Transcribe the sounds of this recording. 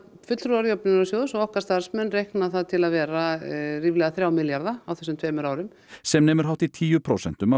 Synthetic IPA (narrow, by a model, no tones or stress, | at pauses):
fʏt̪lθɾuaɾjowpnʏnɾasjoːwðʏsɔɣɔhkaɾ̥st̪aɾ̥smɛnːrejhknaθaðt̪ʰɪlaðvɛːɾariːvlɛːɣaθɾjaːwmɪljaɾðaawθɛsʏmt̪ʰveːmʏɾaːwɾʏm | sɛmnɛːmʏɾ̥ɦawht̪it̪ʰiːjʏpʰɾoːsɛn̥t̪ʏma